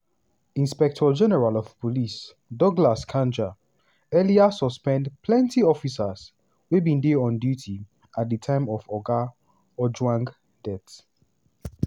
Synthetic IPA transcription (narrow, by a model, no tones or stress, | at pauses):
ĩnspɛk̚tʰɔd͡ʒɛnɛɹalɔv̥pɔlis | dɔɡlaskʰãnd͡ʒa | ɛliasɔspɛ̃ndpʰlɛ̃ntiɔfisas | webĩndeɔ̃ndjutʰi | at̚dətʰãɪ̃mɔvɔɡa | ɔd͡ʒwãŋɡ | d̥ɛt